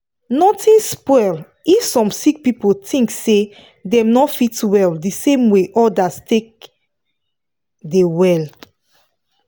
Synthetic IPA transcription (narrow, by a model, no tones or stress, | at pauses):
nɔtĩnspɔjl | ifsɔ̃msik̚pipotʰĩŋkse | dɛ̃mnɔfitwɛldisẽmweʔɔdastʰek̚ | dewɛl